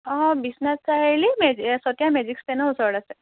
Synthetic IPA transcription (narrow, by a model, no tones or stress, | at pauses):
bisnəst͡saɦelimed͡ʑisɔt̪jamed͡ʑikst̪enəɦosəɽase